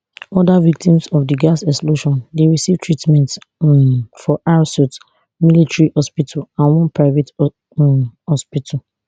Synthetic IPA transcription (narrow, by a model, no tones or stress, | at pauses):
ɔdavik̚tĩmsɔfdiɡasɛksploʃɔ̃ndeɹisivtʰɹitmɛ̃nt | fɔʔaɹsɔt | militɹihɔspitʰalãnwɔ̃npɹaɪvet | hɔspitʰa